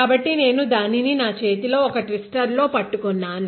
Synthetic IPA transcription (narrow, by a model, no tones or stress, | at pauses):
aːbɐʈːine̞ːnud̪aːnininaːt͡ʃe̞ːt̪ilo̞ːɔkɐʈʋisʈɐɾlo̞ːpɐʈːukunːaːn